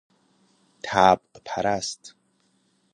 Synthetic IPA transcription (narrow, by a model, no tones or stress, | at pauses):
t̪ʰaːp̚qʼpʰaɾastʰʼ